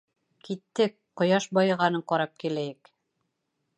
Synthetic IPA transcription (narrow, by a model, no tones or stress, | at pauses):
kit̪ːɘk̚ | qŏjɑʃbɑjɤ̆ʁɑnɤɴqɒɾɑp̚kilæjɘk